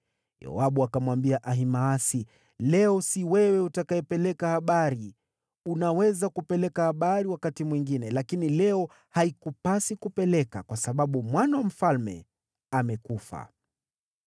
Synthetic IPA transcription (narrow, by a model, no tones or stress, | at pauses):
jɛ̰ɔ̰aɓuakamwambiaʔaɦimaasi | lɛɔsiwɛwɛutakaɛpɛlɛkahaɓaɾi | unawɛzakupɛlɛkahaɓaɾiwakatimwiŋɡinɛlakinilɛɔ | haikupasikupɛlɛka̰kwasaɓaɓumwanawam̩falmɛ̰ | amɛkufa̰